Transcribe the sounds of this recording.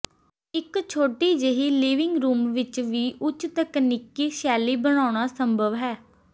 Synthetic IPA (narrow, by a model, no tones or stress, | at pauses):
ɪkt͡ʃʰoːʈiːd͡ʒeɦiːliːʋɪŋɡɾuːmʋɪt͡ʃʋiːʔʊt͡ʃt̪əknɪkiːʃɛːliːbəɽ̃aːɽ̃aːsəmbʱəʋɦɛː